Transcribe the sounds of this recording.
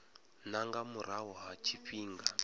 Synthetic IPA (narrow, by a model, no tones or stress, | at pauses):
naŋɡamuɾaɦɔɦat͡ʃʰiɸiːŋɡa